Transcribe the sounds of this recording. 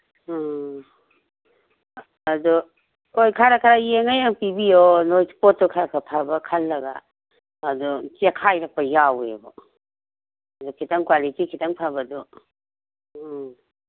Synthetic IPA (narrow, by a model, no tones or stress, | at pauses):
ɐdu | kojkʰaɾakʰaɾajeŋajaŋpibijɔnojspɔt̚ːɔkʰaɾakʰapʰabɐkʰalːɐɡa̰ː | dut͡ʃekʰajɾak̚pɐjawḛbɔ̰ | dukʰitaŋkwalitikʰitaŋpʰabɐdu